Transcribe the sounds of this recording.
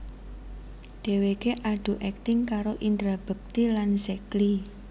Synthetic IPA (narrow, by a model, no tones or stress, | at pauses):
d̪̥e̤wekeʔaɖ̥ṳʔɛk̚t̪ɪŋkaɾoʔind̪ɾab̥ə̤k̚t̪ilansekli